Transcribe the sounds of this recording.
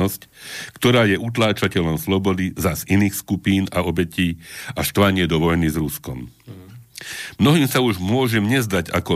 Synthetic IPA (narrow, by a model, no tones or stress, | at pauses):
ɔsckt̪ɔɾaːjɛʔut̪̬laːt͡ʃacɛʎɔmslɔbɔd̪izaziniːxskupiːna̰ɔbɛciːast̪ʋaɲɪɛd̪ɔʋɔjnizɾuskɔm | mnɔɦiːmsauʒmʊɔʒɛmɲɛzd̪aɟa̰kɔ